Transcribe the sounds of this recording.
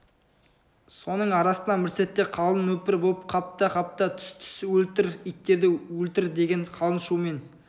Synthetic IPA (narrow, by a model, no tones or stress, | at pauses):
so̞nəɴɑɾɑsənɑmɪɾse̞t̪ːe̞qʰɑlˠənwɵpɪɾbolˠp̚qʰɑp̚t̪ɑqʰɑp̚t̪ət̪ʰʏ̥st̪ʰʏ̥swɵlt̪ɪɾijt̪ːe̞ɾd̪ɪɵlt̪ɪɾd̪e̞ɡʲe̞ɴqʰɑlˠənʃume̞n